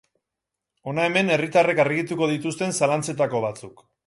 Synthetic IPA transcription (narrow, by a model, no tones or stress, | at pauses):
o̞nae̞me̞ne̞rit̪are̞karɣit̪uko̞ð̞it̪ust̪e̞nsalant͡se̞t̪ako̞β̞at͡suk